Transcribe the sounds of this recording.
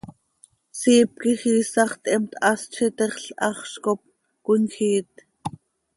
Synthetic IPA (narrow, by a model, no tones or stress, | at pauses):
siːp̚kiχiːsɑχt̪ɛmt̪ʰɑst͡ʃʰit̪ɛχɬʔɑχʃkop̚ | kʊnxiːt̪